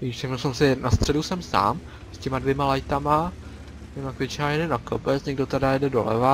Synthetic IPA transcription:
isɛmnɛlsɛmsɪnast̪r̝̥ɛdusɛmsa̰ːm | scɛmadvjɛmalajt̪ama | ɲɛmakvɪt͡ʃnaːjɛdɛnakopɛt͡sɲɛɡdot̪ɛdajɛdɛdo̰lɛ̰va

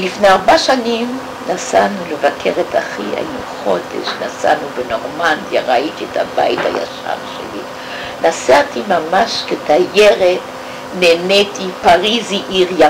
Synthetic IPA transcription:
lifneaʁbaʃanim | nasanulevakʰeʁetʰaχia̰jinuχo̞dḛʃnasa̰nubeno̞ʁmandjaʁait̪ietha̰ba̰jit̪ha̰ja̰ʃa̰ʁʃḛli | nasat̪imamaʃketajeʁet | nenet̪ipaʁiziʔiʁa

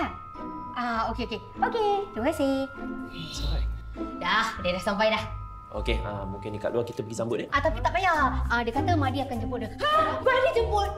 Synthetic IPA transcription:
a | ʔaokeoke | oket̪ukase | sɔa | dahdədahsampajlah | ʔo̰keamuŋkɪnːikaʔluakit̪əpəɡisambʊt̪̚eʔat̪apit̪aʔbajaadəkat̪əmadiakand͡ʒəbuəhamadid͡ʒəpʊt̪̚

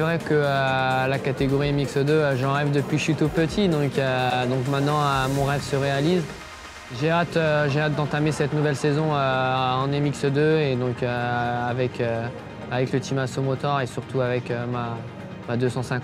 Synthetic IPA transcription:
sɛvʁɛkəølakat̪eɡɔʁiemiksəd̪øʒɑ̃ʁɛvd̪əpɥiʃyt̪opət̪ʰid̪ɔ̃kød̪ɔ̃kmɛ̃t̪nɑ̃ømɔ̃ʁɛvsəʁealiz | ʒeat̪øʒeat̪̚d̪ɑ̃t̪amesɛt̪nuvɛlsezɔ̃øɑ̃nemiksəd̪øed̪ɔ̃køavɛkʰø | avɛklət̪ʰimasomɔt̪ɔʁesyʁt̪uavɛkøma | mad̪øsɑ̃sɛ̃k

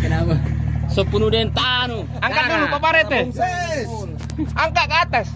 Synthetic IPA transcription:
nasopunudent̪anu | aŋkaʔd̪ulupapaɾet̪e | aŋkaʔkaːt̪as

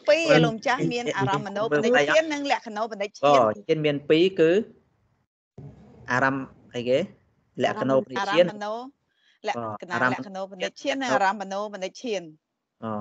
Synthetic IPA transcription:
piːʔalomt͡ɕahmiənʔaːɾamːənoːpəːnajiənːɨŋlɛ̆əʔkʰanoːpʰənɨc̚t͡ɕʰkɔət͡ɕʰiənmiənpiːkɨː | ʔaːɾam | ʔəjkeː | lɛ̆əʔkːanoːpənəc̚ːt͡ɕiənnoː | lɛəːnaːɾaməkʰːanoːpənɨc̚t͡ɕʰiənːɨŋaɾamːənoːpənɨc̚t͡ɕʰiən | ʔɔː

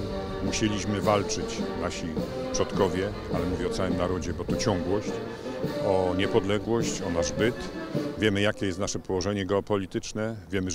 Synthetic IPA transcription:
muɕelʲiɕmɘvalt͡ʂɘt͡ɕnaɕi | pʂɔt̪kɔvʲjɛ | alɛmuvʲjɛɔt̪sawɘmnaɾɔd͡ʑɛbɔt̪ɔt͡ɕɔ̃ŋɡwɔɕt͡ɕ | ɔɲɛpɔd̪lɛɡwɔɕt͡ɕɔnaʐbɘt̪vʲjɛmɘjakʲɛjɛst̪naʂɛpɔwɔʐɛɲɛɡɛɔpɔlʲit̪ɘt͡ʂnɛvʲjɛmɘ

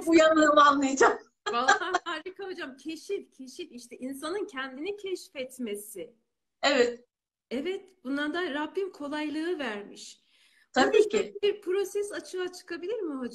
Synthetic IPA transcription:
bujanlˠɯɾmanlˠajad͡ʒam | baanaɾikaɦod͡ʒamcʰe̞ʃifcʰe̞ʃiliʃt̪ʰɛʔins̬anɯncʰɛnd̪inicʰɛʃfɛt̪me̞sɪ | ɛvɛt̪ | ɛvɛt̪b̥und̪and̪aɾabːimkʰo̞lˠajlˠɯɯvæɾmiʃ | t̪ʰabiːciibiɾpʰɾo̞sɛsat͡ʃʰɯat͡ʃʰɯ̥kʰabilʲiɾmɪɦod͡ʒ

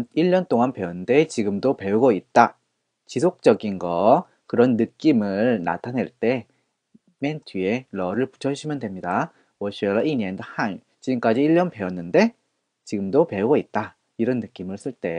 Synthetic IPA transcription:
niɭːʌnt͈oŋanpe̞ʌnde̞t͡ɕiɡɯmdope̞uɡʌit̚t͈a | t͡ɕisʰok̚t͡ɕ͈ʌɡinɡʌ | kɯɾʌnːɯk͈imɯɭna̰tʰane̞ɭt͈e̞ | mentʰie̞lʌɾɯɭpu̥t͡ɕʰʌɕʰimjʌndwe̞mɲida | wʌɕ͈ielːaʔiɲendhan | t͡ɕiɡɯmk͈ad͡ʑiːʎːʌnpe̞ʌnːɯnde̞ | t͡ɕiɡɯmdope̞uɡʌit̚t͈a | iɾʌnːɯk͈imɯɭs͈ɯɭt͈e̞

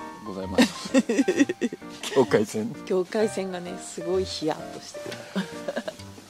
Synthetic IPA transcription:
ɡozaima | kʲʰoːkaisẽŋkʲo̞ːkaisẽ̞ŋɡane̞sɨɡo̞içija̰t̪ːoɕi̥t̪eɾɯ̰

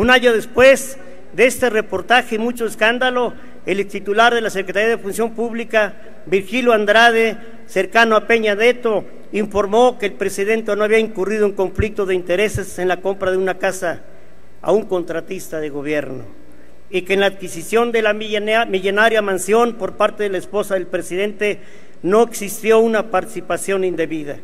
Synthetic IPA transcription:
unaɲoðespwez | d̪eest̪erepo̞ɾt̪axeimut͡ʃoeskand̪alo | elet̪it̪ulaɾðelasekɾet̪aɾijaðefunsjo̞mpuβlika | biɾxiljoand̪ɾað̞e | seɾkanoape̞ɲaðet̪o | iɱfo̞ɾmokeːlpɾesiðe̞nt̪enoaβiaiŋkurið̞oeŋko̞ɱflik̚t̪oðeint̪eɾe̞sesenlako̞mpɾaðeunakasa | a̰uŋkont̪ɾat̪ist̪aðeɣoβjeɾno̰ | ikeːnlaːðkisisjo̞nd̪elamiʎonaɾjamansjonpo̞ɾpaɾt̪eðelaespo̞saðe̞lpɾesið̞e̞nt̪e | noeksist̪jounapaɾt̪i̥sipasjo̞nind̪eβiða̰

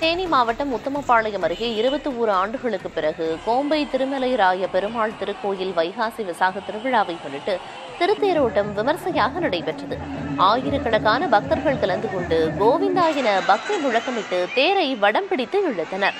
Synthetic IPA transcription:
t̪eːnimaːʋɐʈːɐmʊt̪ːɐmɐpːaːɭɐjɐmɐɾɯɣeːɪɾɯbɐt̪ːɯuːɾɯaːɳɖɯɣɐɭɯkːɯpːɪɾɐɣɯkoːmbɐɪt̪ɪɾɯmɐlɐɪɾaːjɐpɛɾɯmaːɭt̪ɪɾɯkːoːjɪlʋɐɪɣaːsiʋɪsaːɣɐt̪ɪɾɯʋɪɻaːʋɐɪkɔɳːɪʈːɯ | t̪ɪɾɯt̪ːeːɾoːʈːɐmʋɪmɐɾsɐjaːɣɐnɪɽɐɪpɛʈrɐðɯaːjɪɾɯkːɐɳɐkːaːnɐbɐk̚t̪ɐɾɣɐɭkɐlɐnd̪ɯkɔɳɖɯɡoːʋɪnd̪aːjɪnɐbɐk̚t̪ɐmʊɻɐkːɐmɪʈːɯt̪eːɾɐɪʋɐɽɐmpɪɽɪt̪ːɯɪɻːɯt̪ːɐnɐɾ

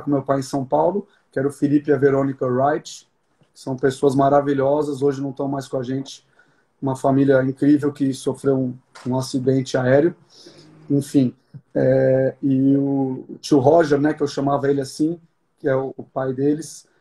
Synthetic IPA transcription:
kõmewpajẽj̃sɐ̃w̃pawlʊ | kɪɛɾʊfilipɪɐveɾõnikɐɾajt͡ʃɪ̥ | sɐ̃w̃pesoɐzmaɾaviʎɔzɐzoʒɪnɐ̃w̃t̪ɐ̃w̃majskõaʒẽnt͡ʃɪ̥ | ũmɐfamiljɐĩŋkɾivewkɪsofɾewũũasid̪ẽnt͡ʃɪaɛɾjʊ | ẽfĩ | ɛɪʊt͡ʃiwɦɔʒɛɾnɛkɪewʃɐ̃mavɐelɪasĩ | kɪɛʊːpajd̪elɪs

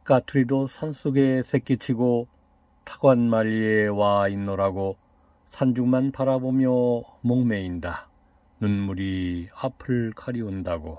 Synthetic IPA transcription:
katʰɯɾidosʰans͈uɡe̞sʰe̞k͈it͡ɕʰiɡo | tʰḁɡwanmaʎːiewainːʌɾaɡo | sʰand͡ʑuŋmanpaɾabomjʌmoŋme̞inda | nunmuɾiapʰɯɭkʰaɾiundaɡo

